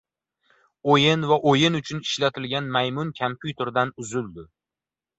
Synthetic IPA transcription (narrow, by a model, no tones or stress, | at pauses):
ojɪnvaʔojɪnʊt͡ʃʰʊnɪʃlat̪ʰɪlɡʲanmajmʊnkʲʰampʰjʊt̪ʰe̞ɾd̪anʊzʊlˠd̪ɪ